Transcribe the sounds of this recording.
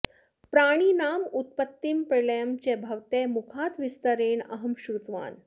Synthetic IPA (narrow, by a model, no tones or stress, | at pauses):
pɾaːɽ̃iːnaːmut̪̚pət̪ːimpɾeləjəmt͡ɕebʱɐʋt̪emukʰaːt̪ʋist̪əɾeːɳɐ̰ɦəmɕɾut̪ʋa̰ːn